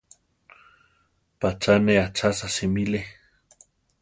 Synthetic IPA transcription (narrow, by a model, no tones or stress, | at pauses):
pat͡ʃaneat͡ʃasasimile